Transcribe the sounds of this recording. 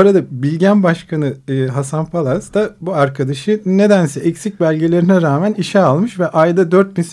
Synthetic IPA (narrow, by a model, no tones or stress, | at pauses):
oɾad̪abilʲɟænbaʃkʰanɯɯɦasanpʰalˠasd̪abuaɾkʰad̪aʃɯne̞d̪ænsɛʔɛcsic̚bælʲɟe̞lʲe̞ɾinɛɾaːmæniʃɛalˠmɯʃvɛʔajd̪ad̪øɾt̪̚nis